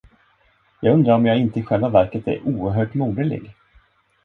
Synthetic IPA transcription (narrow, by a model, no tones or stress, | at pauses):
jɑːɡɵnd̪ɾaɾɔmjaːɪnt̪əɪɧɛlvavæɾkət̪ɛ̰ɾʔuːəɾɦœːʈmuːd̪əlɪ̰ɡ